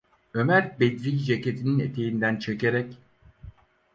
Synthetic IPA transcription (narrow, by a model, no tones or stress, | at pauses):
ø̞mæɾbed̪ɾijd͡ʒecet̪ʰininet̪ʰe̞jind̪ænt͡ʃʰeceɾɛc